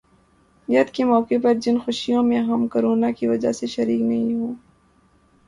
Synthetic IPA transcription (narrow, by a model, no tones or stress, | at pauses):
jɐt̪kemɔːkepɐɾd͡ʒɪnxʊʃijõmẽɦɐmkɐɾoːnakiʋɐd͡ʒa̰seʃɐɾiːknɐɦĩɦõː